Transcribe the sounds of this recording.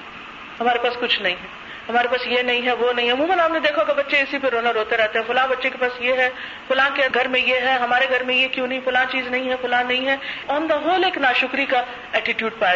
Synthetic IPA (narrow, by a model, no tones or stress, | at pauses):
ɦɐmaːɾepaːskʊt͡ʃʰnɐɦĩɦɛː | ɦɐmaːɾepaːsjenɐɦĩɦɛʋonɐɦĩɦɛɐmũːmə̃nɦaːpned̪eːkʰakabɐtːʃeɪsipeɾoːnəɾɦoːt̪eɾɛɦt̪eɦɛ̃ːfʊlãbɐtːʃekepaːsjeɦɛ | fʊlãːkeɡʱɐɾmẽjeɦɛɦɐmaːɾeɡʱɐɾmẽjekjõːnɦĩfʊlãːt͡ʃiːznɐɦĩɦɛfʊlãːnːɐɦĩɦɛɔːnd̪ɐɦoːleːknaːʃʊkɾika | ɛːʈɪʈjuːɖpaː